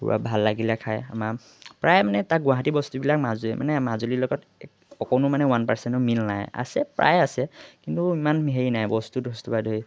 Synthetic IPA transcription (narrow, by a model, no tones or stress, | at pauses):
dṵɹa̰bʱalːaɡilakʰaja̰ma | pɹajmanɛtaɡʊwaɦatibɔstubilak̚mazuɛmʔa̰nɛmazulilɔɡɔt | ɔkɔnʊmanɛwanpaɹsɛntɔmilnaja̰sɛpɹa̰jasɛkintuimanɦeɹinajbɔstudʱɔstubadʱoj